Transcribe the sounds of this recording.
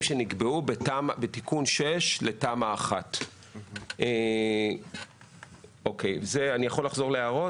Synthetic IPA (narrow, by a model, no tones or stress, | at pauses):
ʃeniɡbeubetamabetikunʃeʃle̞tamaːχat | ʔe | okejzeanijaχo̞laχzo̞ʁleaʁo̞